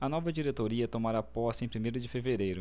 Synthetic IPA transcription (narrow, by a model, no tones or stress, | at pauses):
ɐnɔvɐd͡ʒiɾet̪oɾiɐt̪omaɾapɔsɐẽj̃pɾimejɾʊd͡ʒɪfeveɾejɾʊ